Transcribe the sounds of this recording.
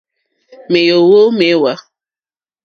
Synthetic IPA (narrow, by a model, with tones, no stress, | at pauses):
me˨jo˨wo˦me˦wa˦